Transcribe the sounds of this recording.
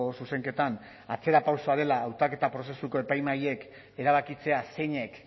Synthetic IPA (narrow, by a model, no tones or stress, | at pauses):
osuse̞ŋke̞t̪an | at͡se̞ɾapawso̞aɾe̞laːwt̪ake̞t̪apɾo̞s̬e̞suko̞e̞pajmaje̞k | e̞ɾaβ̞akit͡se̞ase̞ɲe̞k